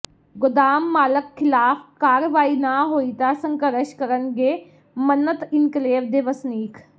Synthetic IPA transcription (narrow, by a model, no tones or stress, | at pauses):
ɡʊd̪aːmːaːləkkʰːɪlaːfkaːɾʋaːinaɦoːit̪asə̃ŋkəɾɪʃkəɾənɡeː | mənːət̪ɪnkleːʋd̪eʋəsniːkʰ